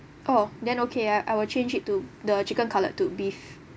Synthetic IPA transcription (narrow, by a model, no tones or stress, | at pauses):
ʔodɛ̃nokʰeaʔajwilt͡ʃẽnd͡ʒitːudət͡ʃikə̃nkʰalə̰tːubif